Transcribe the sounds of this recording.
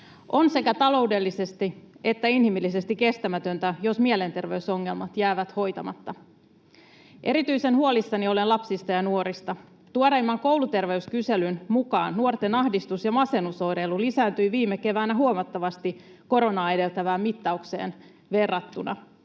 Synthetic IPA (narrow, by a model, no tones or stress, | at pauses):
ʔo̞nse̞kæt̪ɑlo̞ude̞lːise̞st̪ie̞t̪ːæinhimilːise̞st̪ikːe̞st̪æmæt̪ø̞nt̪æjo̞smiele̞nt̪e̞rʋe̞yso̞ŋːe̞lmɑt̪jæːʋæt̪ho̞jt̪ɑmɑt̪ːɑ | ʔe̞ɾit̪yise̞nhuo̞lisːɑnio̞lenlɑpsist̪ɑjɑnuoɾist̪ɑ | t̪uoɾɑimːɑŋko̞wlut̪e̞rʋe̞yskyselynmukɑːnːuo̞rt̪e̞nɑhdist̪usjɑmɑse̞nuso̞iɾelːulisæːnt̪yiʋiːmːeke̞ʋæːnæɦuomɑt̪ːɑʋɑst̪iko̞ɾo̞nɑːe̞de̞lt̪æʋæːmmit̪ːɑukse̞̰ːn | ʋe̞rːɑt̪ːunɑ̰